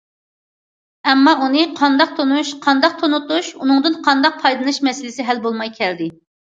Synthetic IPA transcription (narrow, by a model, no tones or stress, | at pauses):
ɛmːɑʔunɨqʰɑnd̪ɑq̚t̪ʰonuʃqʰɑnd̪ɑq̚t̪ʰonut̪uʃunɨŋd̪ɨnqʰɑnd̪ɑq̚pʰɑjd̪ˠɨnɨʃmɛsɪlɪsɪɦælbolˠmɑjkʲʰɛld̪ɪ